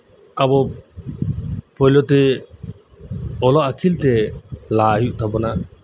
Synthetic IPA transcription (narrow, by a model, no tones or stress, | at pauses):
abɔ | pɔjlɔt̪ɛ | ɔlɔʔakʰilt̪ɛlaɦjuʔt̪ʰabɔna